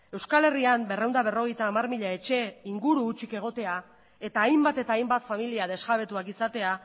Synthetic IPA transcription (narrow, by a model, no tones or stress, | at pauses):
e̞wskale̞riambe̞re̞wnd̪aβ̞e̞ro̞ɣ̞e̞jt̪aːmarmiʎae̞t͡ʃe̞iŋɡuɾuːt͡ʃike̞ɣ̞o̞t̪e̞a | e̞t̪aːjmbat̪e̞t̪aːjmbat̪familiaðe̞zɣaβ̞e̞t̪uakisat̪e̞a